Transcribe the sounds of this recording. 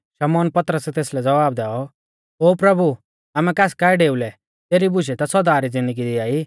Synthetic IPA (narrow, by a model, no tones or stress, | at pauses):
ʃɐmɔːnpɐt̪ɾəsɛt̪eːslɛd͡zɐʋaːb̚d̪ɛːɔ | oːpɾɐbu | aːmɛ̃kaːskaːɛɖeːulɛ | t̪eːɾibʊʃɛt̪asɔd̪aːɾid͡zɪ̃nd̪əɡid̪iaːi